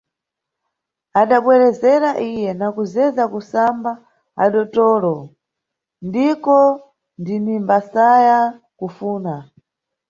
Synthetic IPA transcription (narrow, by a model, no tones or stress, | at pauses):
aɗaɓwɛɾɛzɛɾaʔijɛnakuzɛzakusamba | a̰ɗɔtɔːɾɔ | ndikɔ | ndinimbasaja | kufuːna